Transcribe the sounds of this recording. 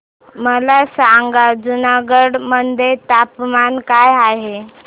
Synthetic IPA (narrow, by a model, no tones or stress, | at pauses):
məlasaŋɡad͡zunaɡəɽmənd̪ʱet̪apmankajaɦe